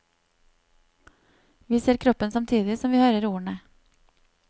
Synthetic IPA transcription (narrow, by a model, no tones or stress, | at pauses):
ʋiːseːɾkʰɾɔpənsɑmt̪ʰiːd̪ɪsɔmʋiːhøːɾəɾuːəɳə